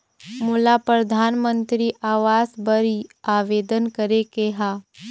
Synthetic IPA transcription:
mulapɾəd̪ʱaːnmə̃nt̪ɾiʔaːʋaːsbəɾiaːʋeːd̪ənkəɾekeɦaː

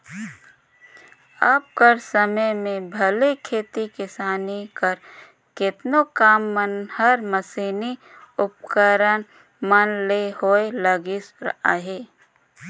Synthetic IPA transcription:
əb̚kəɾsəməmẽbʱəlekʰeːt̪ikɪsaːnikəɾ | kɪt̪nokaːmːənhəɾməsiːni | ʊp̚kəɾən | mənleɦoːeləɡisɾa̰ːɦeː

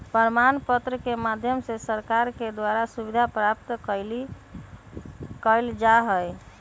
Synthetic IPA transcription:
pəɾmanpət̪ɾəkemad̪ʱjəmsesəɾkaɾked̪waɾasubid̪ʱapɾapt̪kəli | kəɪld͡ʒaɦəj

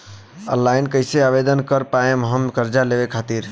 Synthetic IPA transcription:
ə̰̃nlːajnkəɪseaβed̪ənkəɾpaemɦəmkəɾd͡ʒalebekʰat̪iɾ

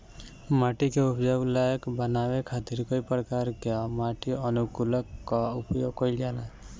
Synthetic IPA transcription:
maʈikeʊpjoːɡlajəkbənaːwekʰaːt̪iɾkoipəɾkaːɾkemaːʈiənukuləkkaʊpjoɡkoid͡ʒaːna

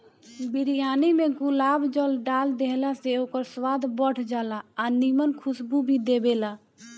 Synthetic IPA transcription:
biɾijaːnimeɡulaːbd͡ʒəlɖald̪eɦlaseokəɾswaːd̪bəɽ̤ʰd͡ʒaːlaːnimənkʰʊsbubʱid̪ebela

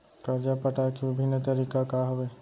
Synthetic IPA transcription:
kɐɾd͡ʒapəʈakiʋɪbʱinːət̪əɾiːkakaɦowe

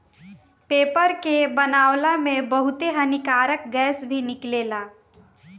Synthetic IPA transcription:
peːpəɾkebənaːwlamẽbəɦʊt̪eɦənɪkaːɾək̚ɡɛːsbʱinɪkleːlaː

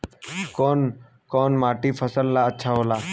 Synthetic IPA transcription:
koːn | koːnmaːʈiːfʰəsəlːaːətːʃʰaːɦoːlaː

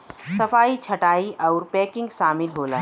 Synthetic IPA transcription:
sɐfaːit͡ʃʰɐʈaːiʔɔːɾpɛːkɪ̃ŋɡʃaːmɪlɦoːlaː

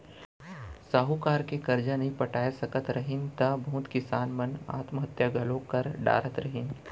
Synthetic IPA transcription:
saːɦukaːɾkekɐɾd͡ʒanɐɦĩpɐʈʰaːesɐkət̪ɾɐɦɪnt̪ɐbʱũt̪kɪsaːnmɐna̰ːt̪məɦət̪jaɡʱɐlõkɐɾɖa̰ːɾət̪ɾɐɦɪn

